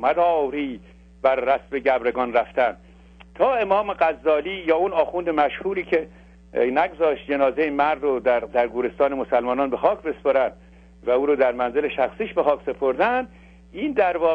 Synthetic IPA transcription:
mæd̪ɒːwɾiː | b̥æɾːæsbeɟæbɾe̞ɡɒːnɾæft̪ænd̪ | t̪ʰɒːe̞mɒːmeɡæzːɒːliːjɒːunɒːxund̪emæʃhuːɾiːkʰe | næɡzɒːʃt̪d͡ʒe̞nɒːzejemæɾd̪od̪æɾd̪æɾɡuːɾe̞st̪ɒːnemosælmɒːnɒːnbe̞xɒːkʰbe̞spɒɾænd̪ | væuːɾoːd̪æɾmænzeleʃæxsiːʃbexɒːkʰse̞pʰoɾd̪ænd̪̥ | iːnd̪æɾvɒː

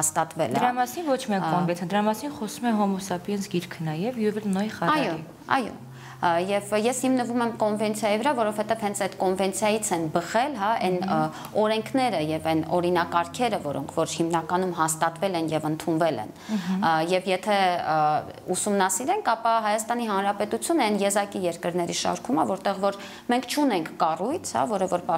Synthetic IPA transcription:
hɑst̪ɑt̪vɛ̰lɛɾɑmɑsinvɔt͡ʃʰmiɛkɔnɛnt͡sʰnd̪əɾɑmɑsinχɔsumɛɦɔmɔsɑpiɛnsɡiɾkʰənɑjɛvjuɛvɛlnɔjχɑɑjɔ | ɑ̰jɔ̰ | jɛvjɛshimnəvumɛmkɔnvɛnt͡sʰjɑjivəɾɑvɔɾɔvhɛt̪ɛv̥hɛnt͡sʰɛt̪kɔnvɛnt͡sʰjɑjit͡sʰɛnbəχɛlɦɑʔɛn | ɔɾɛŋkʰnɛɾəjɛvɛnɔɾinɑkɑɾkʰɛɾəvɔɾɔ̰ŋkʰvɔɾhimnɑkɑnumɦɑst̪ɑt̪vɛlɛnjɛvənt̪ʰunvɛlɛ̰n | jɛvjɛt̪ʰɛ | usumnɑsiɾɛŋkʰɑpɑɦɑjɑst̪ɑn̪iɦɑnɾɑpɛt̪ut͡sʰjunəɛnjɛzɑkijɛɾkəɾnɛɾiʃɑ̰ɾkʰuməvɔɾt̪ɛʁvɔɾ | mɛŋkʰt͡ʃʰun̪ɛŋkʰːɑrujt͡sʰhɑ̰vɔɾəvɔɾpɑ

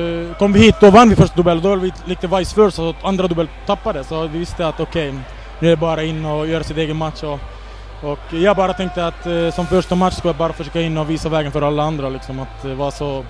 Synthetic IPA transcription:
kʰɔmːvɪhiːt̪̚ːd̪ɔvanːvɪfœʂʈad̪ɵbɛlːɔd̪ɔvɪlvɪliːk̚t̪əvajsfœːɾst̪and̪ɾad̪ɵbɛlt̪ʰːapːad̪ɛsɔvɪvɪst̪əat̪ɔkʰɛj | nʉæd̪ɛbɑːɾaɪnːɔjøːɾasɪt̪eːɡənmat̪ʂɔ | ɔkjɑːɡ̚bɑːɾat̪ʰɛŋk̚t̪əat̪sɔmfœʂʈamat̪ʂskɵljabɑːɾafœʂøːkaɪnːɔviːsavɛːɡənfœɾalːaand̪ɾalɪksɔmat̪ɛvaʂɔ

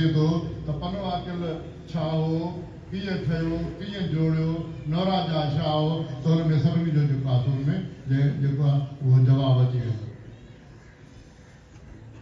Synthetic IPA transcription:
et̪ʰot̪ɐpɐnʋaːkɪl | t͡ɕʰaːɦo | kĩːə̃ʈʰɐjokĩːə̃d͡ʑoːɽjoːnoːɾaːd͡ʒaːt͡ʃʰaːɦot̪ɐɦʊnmẽsɐbʱɪnĩd͡ʑoːd͡ʑokaːsomẽd͡ʑed͡ʑeːkoaʊɦod͡ʑɐʋaːbɐt͡ɕiən

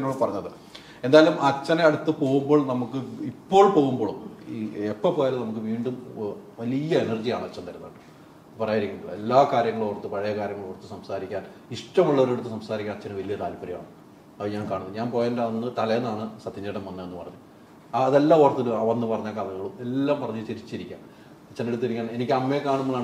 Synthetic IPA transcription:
enːoɭːpɐrɐɲːɐðɨ | e̞nd̪aːjɐlumɐt͡ɕːɐneɐɽut̪ːɨpo̞ːɣumbo̞ːɭnɐmukːɨipːo̞ːɭpo̞ːɣumbo̞ːɭ | epːɐpoːjaːlnɐmuk̬ːɨʋiːɳɖumʋɐlijɐenɐrd͡ʑijaːɳɨɐt͡ɕːɐnt̪ɐɾunːɐɖɨ | pɐrɐjaːjiɾikʲːuɳɐelːaːkaːɾjɐŋːɐɭoʋrt̪ːɨpɐɻɐjɐkaːɾʲjɐŋːɐɭoʋrt̪ːɨsɐmsaːɾikʲːaːn | iʂʈɐmuɭːɐʋɐɾeɽut̪ːɨsɐmsaːɾikʲːaːnt͡ɕːɐnːɨʋɐlijɐt̪aːlpɐɾɐma̰ːɳɨ | ɐɲaːnkaːɳunːɲaːnpo̞ːjandenːɨt̪ɐlɐjenːaːɳɨsɐt̪ʰːiɲːeʈːɐmʋɐnːɐenːɨpɐrɐɲːu | ɐðelːaːort̪ːiluɐʋɐnːɨpɐrɐɲːaːkaːlɐŋːɐɭume̞lːaːmpɐrɐɲːut͡ɕeɾit͡ɕːiɾikʲːa̰m | t͡ɕːɐnːeɽut̪ːiɾikʲːaːne̞nikʲːɨɐmːekaːɳumːɐɭːaːɳ

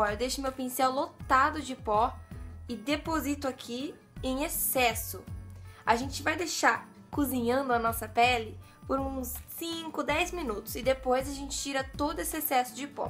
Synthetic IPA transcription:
ɔɾɐd̪ejʃʊmewpĩsɛwlot̪ad̪ʊd͡ʒɪpɔɪd̪epozit̪ʊakʰi | ẽj̃esɛsʊaʒẽnt͡ʃɪvajd̪eʃaɾ | kuzĩɲɐ̃nd̪ʊɐnɔsɐpɛlɪ | poɾũsːĩkʊd̪ɛjzmĩnut̪ʊ̥sɪd̪epojzɐʒẽnt͡ʃɪ̥t͡ʃiɾɐt̪od̪ʊesɪesɛsʊd͡ʒɪpɔ̰

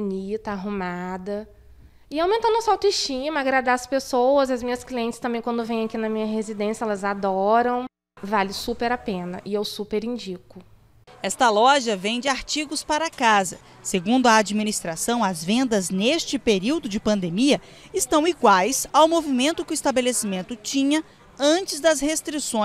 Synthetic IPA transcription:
nit̪ɐaɦumad̪ɐ | ɪaw̃mẽnt̪ɐ̃nd̪ɔ̃sawt̪ɪʃt͡ʃĩmɐaɡɾad̪aɐspesowɐzɐzmĩɲɐskliẽnt͡ʃɪ̥st̪ɐ̃mbẽj̃kwɐ̃nd̪ʊvẽj̃ɐkinɐmĩɲɐɦezid̪ẽsijɐɛlɐzad̪ɔɾɐ̃w̃ | valɪsupeɾapẽnɐ̰ʔɪewsupeɾĩd͡ʒikʊ | ɛst̪ɐlɔʒɐvẽj̃d͡ʒɪaɾt͡ʃiɡʊspaɾɐakazɐ | seɡũnd̪ʊɐad͡ʒiminist̪ɾasɐ̃w̃ɐzvẽnd̪ɐznest͡ʃɪpeɾiwd̪ʊd͡ʒɪpɐ̃nd̪emiɐ | ɪst̪ɐ̃w̃iɡwajsawmovimẽnt̪ʊkɪʊist̪abelesimẽnt̪ʊt͡ʃĩɲɐ | ɐ̃t͡ʃɪzd̪ɐzhest̪ɾisõ

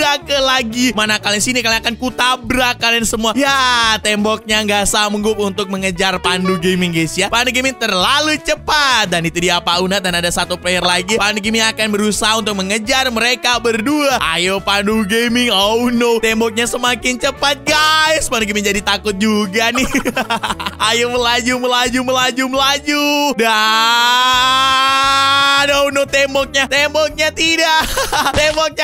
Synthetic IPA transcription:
akəlaɡimanakaliŋsinikalaŋakankut̪abɾakalansəmuajat̪ɛmbɔk̚ɲaŋɡasaməŋɡʊp̚unt̪ʊk̚məŋəd͡ʒarpanduɡemɪŋɡajsjapanduɡemɪŋt̪ərlalut͡ʃəpat̪̚danit̪udiapaunat̪̚danadasat̪upeərlaɡipanduɡimɪŋakanbəɾusaɦaunt̪ʊk̚məŋəd͡ʒarməɾekabərduaʔa̰jopanduɡemɪŋawnowt̪ɛmbɔk̚ɲasəmakɪnt͡ʃəpat̪̚ɡaɪspanuk̬imiɲd͡ʒadit̪akʊt̪̚d͡ʒuɡanɪ | ajoməlad͡ʒuməlad͡ʒuməlad͡ʒuməlad͡ʒuda | nounot̪ɛmbɔk̚ɲat̪embɔk̚ɲat̪idaʔt̪embɔk̚ɲa

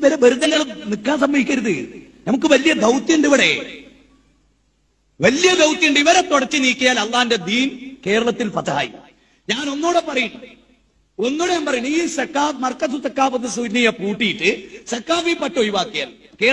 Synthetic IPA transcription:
ʋɐɾɐbɐɾud̪ɐŋːɐɭnikːaːnsɐmːɐɦikʲːɐɾuðɨ | nɐmukːɨʋɐlijɐd̪ɐwt̪ːjɐɳɖ̪iʋɐɽe | ʋɐlijɐd̪ɐwt̪ːijɐɳɖiʋɐɾet̪ːoɽɐt͡ɕːɨniːkʲːɐjaːlɐlːaːnde̞d̪iːnke̞ːɾɐɭɐt̪ːilpɐt̪ɐa̰ːjḭ | ɲaːno̞nːoːɽepɐrɐjɐɳːɐ | o̞nːoɽempɐrɐjuɳiːsɐkːaːfmɐrkːɐs̬usɐkːaːfɐðɨsunijɐpuːʈːijiʈːɨsɐkːaːfipɐtːɐojuʋaːkːija̰ːl | ke̞ː

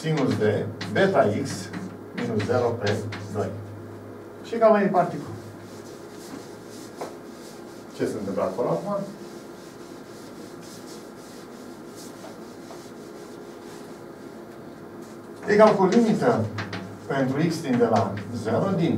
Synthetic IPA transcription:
siŋuld̪ebe̞t̪aiks | minuszeɾoped̪o̞̰j | ʃikamaepart̪ikul | t͡ʃesɨnt̪ɨmplakoloakuma | ekalkolimit̪ə | pe̞nt̪ɾuiksd̪ind̪elazeɾod̪in

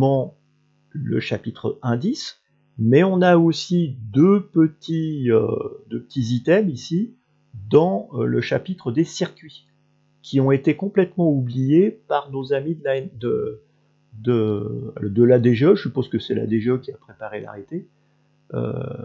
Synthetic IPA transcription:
mɑ̃ | lə̰ʃapit̪χəɛ̃d̪is | mɛɔ̃naosid̪øpət̪ʰiø̰d̪øpə̥t̪izit̪ɛmisi | d̪ɑ̃ləʃapit̪χəd̪esiʁkʲɥi | kʲʰiɔ̃et̪ekɔ̃plɛt̪mɑ̃ublijepaʁnozamid̪lad̪ə | d̪əa̰lɔd̪əlad̪eʒeøʒəsypozkəsɛla̰d̪eʒeøkʲiapχepaʁela̰ʁet̪e | ø̰

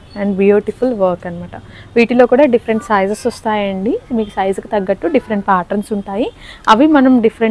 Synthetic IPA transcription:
ɛɳɖbjuːʈipʰulʋɐːɾkɐnimaːʈɐ | ʋiːʈilo̞ːkuːɽaːɖipʰɐɾeɳʈsaːjzɐsɔst̪aːjɐɳɖimiːku̥sɐjzukit̪ɐɡːɐʈːuɖifʰɐɾeɳʈ̚paːɾʈɐɾnsuɳʈaːjiɐʋimɐnɐmɖipʰɐɾe

